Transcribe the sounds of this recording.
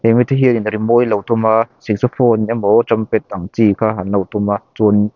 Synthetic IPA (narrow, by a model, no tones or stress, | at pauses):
ɛmit̪ʰaɦiəninɾimojlowt̪umasik̚sɔfʰɔnamɔt͡ʃampɛt̪̚ːaŋt͡sikʰaɦanlawt̪ʰumat͡sun